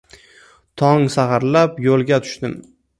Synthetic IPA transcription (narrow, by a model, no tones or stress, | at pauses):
t̪ʰɒŋsaχɑɾlapjolˠɡʲat̪ʰʊ̥ʃt̪ɪm